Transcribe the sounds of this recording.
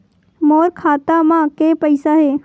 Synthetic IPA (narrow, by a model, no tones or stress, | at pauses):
moːɾkʰaːt̪amãkepəɪsaɦeː